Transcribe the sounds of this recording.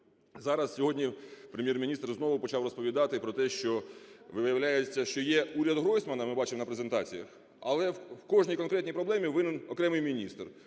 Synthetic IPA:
zɑɾɐssʲɔɦɔdʲnʲipɾemʲjɛrmʲinʲist̪rznɔʋʊpɔt͡ʃɑwrɔspɔʋʲid̪ɑt̪ɪpɾɔt̪ɛʃt͡ʃɔʋɪʋɪjɐʋlʲajet͡sʲːɐʃt͡ʃɔjɛuɾʲɐd̪ɦɾɔjsmɐnɐmɪbɑt͡ʃɪmnɐpɾezent̪ɑt͡sʲijɐx | ɐ̰lˠɛwkɔʒnʲijkɔnkɾɛt̪ʲnʲijpɾɔblˠɛmʲiʋɪnɪnɔkɾɛmɪjmʲinʲist̪r

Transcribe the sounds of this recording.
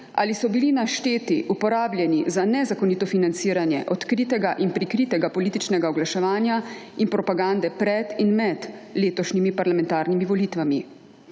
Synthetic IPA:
a̰lisɔbilinaʃt̪eːt̪iʔupɔɾaːblʲjɛnizanɛzakɔniːt̪ɔfinant̪siːɾanjɛ̰ʔɔt̪kɾit̪ɛɡaʔinpɾikɾiːt̪ɛɡapɔliːt̪it͡ʃnɛɡaɔɡlaʃɛʋaːnjainpɾɔpaɡand̪ɛpɾɛd̪inmɛd̪leːt̪ɔʃnimipaɾlamɛ̃nt̪aːɾnimiʋɔliːt̪ʋami

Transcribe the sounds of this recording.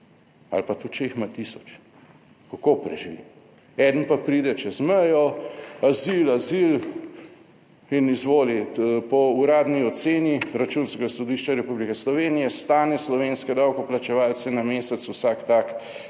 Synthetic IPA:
a̰lpat̪ut͡ʃexmat̪isɔt͡ʃ | kakopɾɛ̰ʒiʋḭ | ɛd̪n̩papɾiːd̪ɛt͡ʃɛzmɛjɔazilazil | inizʋoːlipɔuɾaːd̪niɔt̪seːniɾat͡ʃuːnskɛɡasɔd̪iːʃt͡ʃaɾɛpublikɛslɔʋeːnijɛst̪aːnɛslɔʋeːnskɛd̪awkɔplat͡ʃɛʋaːlt̪sɛnameːsɛt̪swsaːkt̪ak

